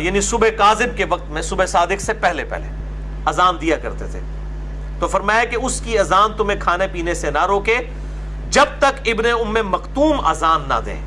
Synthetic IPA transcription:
jaːnisʊbekaːzɪb̚keʋɐq̚t̪mẽsʊbesaːd̪ɪksepɛɦlepɛ̰ɦlḛ | ɐzaːmd̪ijakɐ̰ɾt̪et̪ʰḛː | t̪ofɐɾmaːjakeʊskiɐzaːnt̪ʊmẽkʰaːnepiːnesenaɾoːke | d͡ʒɐb̚t̪ɐkɪbneʊmːẽmɐqt̪uːmɐ̰zaːmna̰d̪ḛ̃ː

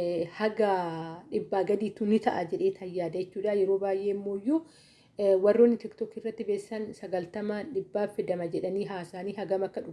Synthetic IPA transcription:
hɐɡɐᶑɪbːaːɡɐd̪iːt̪ʊnɪt̪ɐʔad͡ʒɛᶑe̞ːt̪ʰɐjːaːd̪ɐɛt͡ʃːuːᶑaːjɛɾo̞ːbaːjʔe̞ːmːo̞ːjːu | wɐrːoːnːɪt̪ɪkt̪ɔkɪrːɐt̪ːɪbe̞ːsːɐnsɐɡɐlt̪ɐmaᶑɪbːaːfɛd̪ɐmɐd͡ʒɛᶑɐniːɦaːsaːniːɦɐɡɐmɐkːɐᶑʊ

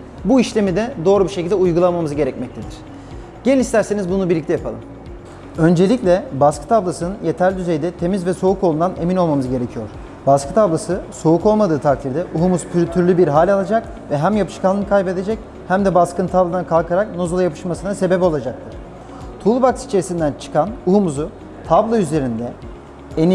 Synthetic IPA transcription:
buiʃlʲe̞mid̪ɛd̪o̞ːɾubiʃecʰilʲd̪ɛujɡulˠamamɯzɯɟe̞ɾɛcmɛc̚t̪ʰed̪iɾ̥ | ɟ̥enilʲist̪ʰæɾse̞nizbunubiɾlʲict̪ɛjapʰalˠɯm | ø̞nd͡ʒe̞lʲicʲlʲɛbaskʰɯ̥t̪ʰablˠasɯnɯnje̞t̪ʰæɾlʲd̪yze̞jd̪ɛt̪ʰe̞mizvɛso̞ukolˠund̪ane̞mino̞lˠmamɯzɯɟe̞ɾe̞cʰijo̞ɾ̥ | baskʰɯ̥t̪ʰablˠasɯso̞uko̞lˠmad̪ɯːt̪ʰak̚t̪ʰiɾd̪ɛʔuɦumuzpʰyɾt̪ʰyɾlʲybiɾɦaːlʲalˠad͡ʒak | vɛɦæmjapʰɯ̥ʃkʰanˠɯnkʰajbe̞d̪e̞d͡ʒɛc | hæmd̪ɛbaskɯnt̪ʰablˠad̪ankʰalˠkʰaɾakno̞zulˠajapʰɯ̥ʃmasɯnase̞bepo̞lˠad͡ʒak̚t̪ʰɯɾ̥ | t̪ʰulˠubaksi̥t͡ʃʰeisind̪ænt͡ʃʰɯ̥kʰanuɦumuzu | t̪ʰablˠajyze̞ɾind̪ɛ | eni

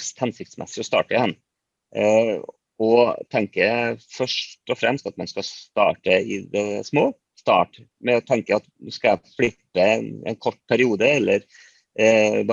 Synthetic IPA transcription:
st̪hɛnsɪkt̪smʔɛ̰sːɪɔst̪ɑ̰ːʈəɪhɛnː | ɔt̪ʰɛŋkəfœʂʈɔfɾɛ̰mst̪ɑt̪mɛnskɑst̪ɑ̰ːʈəɪ̰d̪ɛsmoː | st̪ɑ̰ːʈmɛɔt̪ʰɛŋkəɑt̪ʉskɑæflɪpːəɛnɛ̰nkʰɔʈːpʰæɾɪuːd̪əɛlːəɾ | b

